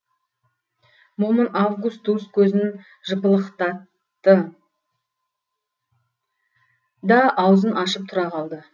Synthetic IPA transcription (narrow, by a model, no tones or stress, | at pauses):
momənavɡust̪̚d̪ust̪̚kʲʰɵzɪn | ʒəpəlˠəqt̪ɑt̪ː | ə | d̪ɑʔɑwzənʔɑʃəp̚t̪ʰʊɾɑqʰɑlˠd̪ə